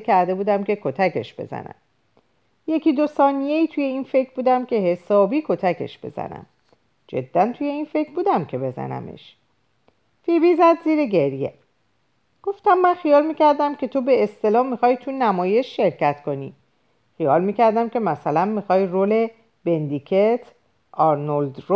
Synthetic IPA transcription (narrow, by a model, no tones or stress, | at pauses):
kʰæɾd̪e̞buːd̪æmcʰe̞kʰo̞t̪ʰækʰe̞̰ʃb̥e̞̰zæ̰næ̰m | je̞ciːd̪o̞sɒːnije̞iːt̪ʰuːje̞infe̞cʰɾbuːd̪æmcʲʰe̞he̞sɒːbiːkʰo̞t̪ʰækʰe̞̰ʃb̥e̞̰z̥æ̰næ̰m | d͡ʒe̞̰d̪̥ːænt̪ʰuːje̞infe̞kʰbuːd̪æmcʰe̞be̞zæ̰næ̰mḛʃ | fibiːzæd̪ziːɾeɟe̞ɾje̞̰ | ɡ̥o̞ft̪æmːænxijɒːlmiːcʰæɾd̪æmcʰe̞t̪ʰo̞beːst̪e̞lɒːhmixɒːjt̪ʰunæmɒːje̞ʃʃe̞ɾcæt̪ko̞niː | xijɒːlmiːcʰæɾd̪æmcʲʰe̞mæsælænmixɒːjroːle̞ | b̥e̞nd̪ikʰet̪ʰ | ʔɒɾnold̪ro